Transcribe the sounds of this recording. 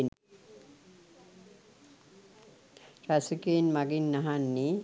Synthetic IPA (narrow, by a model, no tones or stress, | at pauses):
n | ɾasikenmaɡinːaɦanːi